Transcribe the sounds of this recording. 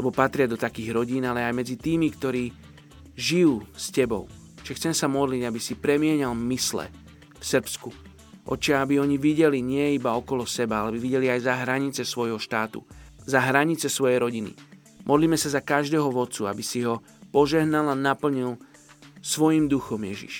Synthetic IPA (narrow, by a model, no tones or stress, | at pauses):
lɛbɔpat̪ɾɪad̪ɔt̪akiːɣɾɔɟiːnalɛajmɛd͡zit̪iːmikt̪ɔɾiː | ʒijuːscɛbɔ̰ʊ | t͡ʃɛxt͡sɛmɛsamɔd̪liɟabisipɾɛmɪɛɲalmislɛ̰ | fsərpsku | ʔɔ̰t͡ʃaabiɔɲiʋiɟɛliɲɪɛibaɔkɔlɔsɛbaalɛbiʋiɟɛliajzaɦɾaɲit͡sɛsʋɔjɦɔʃt̪aːt̪ṵzaɦɾaɲit͡sɛsʋɔjɛjɾɔɟinḭ | mʔɔd̪liːmɛsazakaʒd̪ɛːɦɔʋɔt̪t͡suabisiɦɔ | pɔʒɛɦnalanapl̩ɲil | sʋɔjimd̪uxɔmjɛʒḭʃ